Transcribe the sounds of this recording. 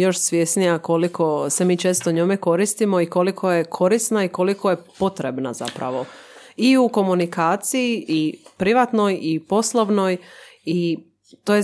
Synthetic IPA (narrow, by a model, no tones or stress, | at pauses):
jo̞ʃsʋjesnijako̞likʰo̞se̞miːt͡ʃe̞ːst̪oɲomeko̞ɾist̪imo̞iko̞likʰo̞jekʰo̞ɾisnaiko̞likʰo̞jepo̞t̪ɾebna̰za̰pɾa̰ʋo̞iuko̞munikaːt̪sijiʔipɾiʋat̪no̞jipo̞slˠoʋno̞j | i | t̪oje